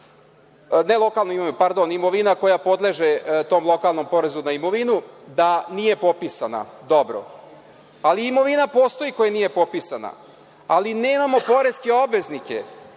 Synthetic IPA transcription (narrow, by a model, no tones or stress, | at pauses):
nelˠo̞kalˠnuimoʋinupaɾd̪o̞nimoʋinako̞japo̞d̪le̞ʒet̪o̞ːmlˠo̞kaːlˠno̞mpo̞ɾe̞zunaimo̞ʋinud̪anije̞po̞pisana̰d̪o̞bɾo̰ | aliːmo̞ʋinapo̞ːst̪o̞jiko̞janijepo̞pisana̰ | alineːmamo̞po̞ɾe̞skeo̞bʋe̞znikḛ